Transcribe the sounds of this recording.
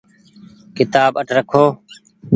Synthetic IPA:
kɪt̪aːbəʈʰɾəkʰoː

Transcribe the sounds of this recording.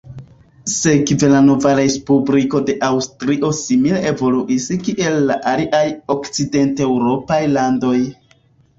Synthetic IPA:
se̞kve̞lano̞vaɾe̞spubɾiko̞de̞ʔawstɾiʔo̞similee̞vo̞luʔiskiʔe̞lːaʔaliʔajo̞kt͡side̞ntewɾo̞pajlando̞j

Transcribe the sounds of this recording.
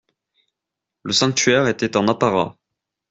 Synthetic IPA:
ləsɑ̃k̚t̪ɥɛʁet̪ɛt̪ɑ̃napaʁa̰

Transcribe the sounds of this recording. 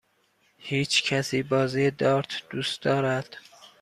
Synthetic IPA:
hiːt͡ʃʰcʰæsiːbɒːziːjed̪ɒːɾt̪ʰd̪̥uːst̪d̪ɒːɾæd̪̥

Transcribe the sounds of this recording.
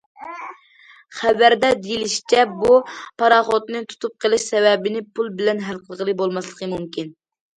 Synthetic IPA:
χævæɾd̪ɛd̪ilɪʃi̥t͡ʃʰɛbupʰɑɾɑχot̪nɨt̪ʰu̥t̪ʰup̚qʰəlˠɨʃsɛvɛbɪnɪpʰulˠbɪlɛnɦælqʰəlˠəʁəlˠɨbolˠmɑslˠəqʰəmumkʲin

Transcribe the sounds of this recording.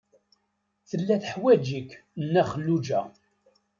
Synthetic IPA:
θəlːæθħwæd͡ʒikːnːæχəlːud͡ʒæ̰

